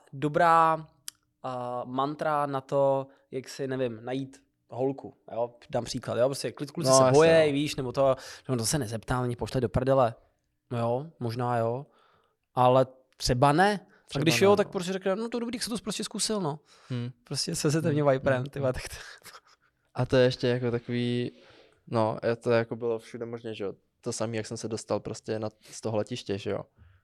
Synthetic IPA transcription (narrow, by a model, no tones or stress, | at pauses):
dobɾaː | mant̪ɾanat̪o | jaksɪnɛvɪmnajiːt̪ | ɦolkʰujo | daːmpr̥iːklat̪jopɾoscɛklɪt̪̚kulsɛbojɛjviːʃnɛbot̪ojoɛont̪osɛnɛzɛpt̪aːmaɲɪpoʃlɛjdopɾadɪalɛ | nojomoʒnaːjo | ʔalɛ | t̪r̥ɛbanɛ̥ | aɛɡdɪʃjot̪ak̚pɾos̬cʲɛɾɛknɛnot̪odobɾit̪aksɛt̪opɾoscɛskusɪlno | pɾoscɛsɛs̬ɛt̪ɛmɲovajpɾɛnt̪ɪbat̪ḁkt̪ | ʔat̪ojɛɛʃcɛjakot̪akoviː | noat̪ojɛjakobɪlofʃudɛmoʒnɛʒɛjo | t̪osamiːjaksɛmsɛdost̪alpɾoscɛnast̪oɦolɛcɪʃcɛʒɛjo̰